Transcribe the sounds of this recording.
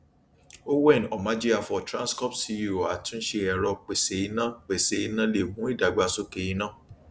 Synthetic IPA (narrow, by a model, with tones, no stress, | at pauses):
o˦wɛ˦˨ñ˨ɔ˨ma˨˦d͡ʒi˦ɾa˦˨fɔ˧˨tɾã˦nskɔ˦psi˦˧˦ju˦˨a˨tũ˦n̩˦ʃe˧ɛ˨ɾɔ˧k͡pe˨se˨˦i˦nã˦k͡pe˨se˨˧i˦˧˦nã˦le˦˨hũ˨˦i˦˨da˨ɡ͡ba˧so˦ke˧ji˧˦nãː˦˨